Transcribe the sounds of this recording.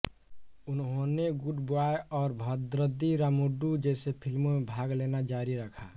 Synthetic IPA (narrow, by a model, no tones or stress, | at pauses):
unɦoneɡuʈboaeɔːɾbʱəd̪ɾəd̪iɾamuɖud͡ʒɛsepʰilmomebʱaɡlenad͡ʒaɾiɾəkʰa